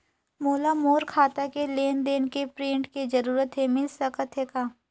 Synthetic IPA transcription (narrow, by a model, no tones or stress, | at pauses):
moːlamoːɾkʰaːt̪akeleːnd̪eːnkepɾẽːɳʈkid͡ʒɐɾuːɾət̪ɦemɪlsəkət̪ʰɦekaː